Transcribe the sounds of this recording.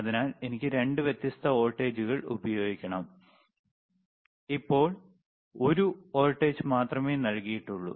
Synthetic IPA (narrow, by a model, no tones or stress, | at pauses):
ɐðinaːle̞nikʲːɨɾe̞ɳɖɨʋjet̪ːjist̪ʰɐo̞ːlʈːe̞ːd͡ʑuɣɐɭṵbɐjo̞ːɡikʲːɐɳɐm | ipːo̞ːɭ | o̞ɾuo̞ːlʈːe̞ːd͡ʑmaːt̪rɐmeːnɐlkijiʈːuɭːṵ